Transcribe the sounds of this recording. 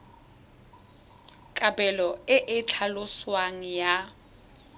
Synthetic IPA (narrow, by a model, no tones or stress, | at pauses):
kʼabʼɛlɔɪʔɪt͡ɬʰalʊswaŋ̩ja